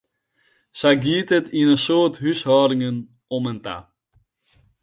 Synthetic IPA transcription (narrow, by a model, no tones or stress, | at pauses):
sajɡiːtətinənsoːrtɦysɦɔːɾɪŋən | ɔmənta̰